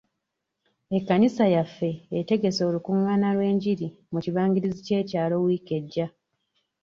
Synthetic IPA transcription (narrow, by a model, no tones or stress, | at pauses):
e̞kːanisajafːe̞ːte̞ɡe̞so̞ːlukuŋːaːnalwe̞ːɲɟiɾi | muciβaːŋɡiɾizice̞ːcaːlo̞wiːke̞ɟːa